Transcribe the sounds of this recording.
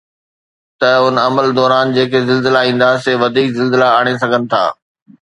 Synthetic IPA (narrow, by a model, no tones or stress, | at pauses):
t̪ɐʊnɐməld̪ɔːɾaːnd͡ʑeːkezɪlzɪlaĩːn̆d̪aseːʋɐd̪ʱiːkzɪlzɪlaaːɽ̃es̬ɐɡʱənɪ̆t̪ʰa̰ː